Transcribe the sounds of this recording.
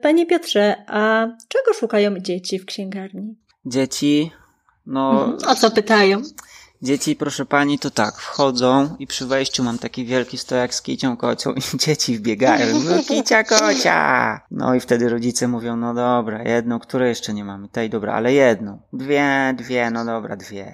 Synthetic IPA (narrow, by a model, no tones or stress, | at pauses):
paɲepʲjɔt̪ʂɛʔat͡ʂɛɡɔʂukajɔ̃w̃d͡ʑet͡ɕifkɕɛŋɡaɾɲi | d͡ʑet͡ɕi | nɔt̪sɔpɘt̪ajɔ̃w̃ | d͡ʑet͡ɕipɾɔʂɛpaɲit̪ɔt̪akfxɔd̪zɔ̃w̃ipʂɘvɛjɕt͡ɕumamt̪akʲivʲjɛlkʲist̪ɔjakskʲḭt͡ɕɔ̃w̃kɔt͡ɕɔ̰̃w̃id͡ʑet͡ɕivbʲjɛɡajɔ̰̃w̃zukʲit͡ɕakɔt͡ɕa̰nɔ̰ift̪ɛd̪ɘɾɔd͡ʑit̪sɛmuvʲjɔ̃w̃nɔd̪ɔbɾa̰jɛd̪̚nɔ̃w̃kt̪uɾɛjɛʂt͡ʂɛɲɛmamɘt̪ɛjd̪ɔbɾa̰a̰lɛjɛd̪nɔ̃w̃d̪vʲjɛd̪vʲjɛnɔd̪ɔbɾa̰d̪vʲjɛ